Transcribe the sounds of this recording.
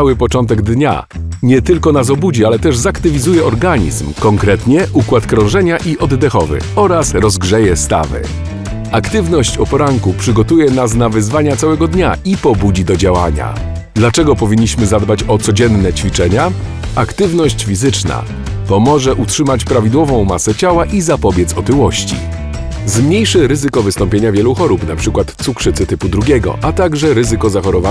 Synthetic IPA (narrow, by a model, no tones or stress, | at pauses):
awɘpɔt͡ʂɔnt̪ɛɡd̪ɲa̰ | ɲɛt̪ɘlkɔnas̬ɔbud͡ʑialɛt̪ɛʐzakt̪ɘvʲizujɛʔɔɾɡaɲḭzmkɔŋkɾɛt̪ɲɛʔukwat̪kɾɔ̃ʐɛɲaʔiʔɔd̪ːɛxɔvɘ̰ɔɾasɾɔzɡʐɛjɛst̪a̰vɘ̰ | akt̪ɘvnɔɕt͡ɕɔpɔɾaŋkupʂɘɡɔt̪ujɛnasnavɘzvaɲat̪sawɛɡɔd̪ɲa̰ipɔbud͡ʑid̪ɔd͡ʑawa̰ɲa̰ | d̪lat͡ʂɛɡɔpɔvʲiɲːiɕmɘzad̪bat͡ɕɔt̪sɔd͡ʑɛnːɛt͡ɕfʲit͡ʂɛɲa | ʔa̰kt̪ɘvnɔɕt͡ɕfʲizɘt͡ʂna̰ | pɔmɔʐɛʔutʂɘmat͡ɕpɾavʲid̪wɔvɔ̃w̃masɛt͡ɕawaʔizapɔbʲjɛt̪sɔt̪ɘwɔɕt͡ɕḭ | zmɲejʂɘɾɘzɘkɔvɘst̪ɔmpʲjeɲavʲjɛluxɔɾupnapʂɘkwat̪t̪sukʂɘt̪sɘt̪ɘpud̪ɾuɡʲɛɡɔ̰ʔat̪aɡʐɛɾɘzɘkɔzaxɔɾɔva